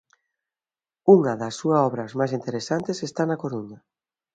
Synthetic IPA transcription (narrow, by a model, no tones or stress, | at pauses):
uŋɐðɐsuaɔβɾazmajs̬int̪eɾesant̪esest̪anakoɾuɲa